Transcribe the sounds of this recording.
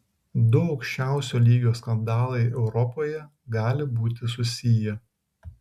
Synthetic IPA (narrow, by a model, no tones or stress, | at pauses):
d̪ʊɒʊkʃʲt͡ʃʲæˑʊsʲoːlʲiːɡʲoːskɐnd̪ɑːlˠɐɪɛʊɾɔpoːjɛ | ɡɑːlʲɪbuːt̪ʲɪsʊsʲijɛ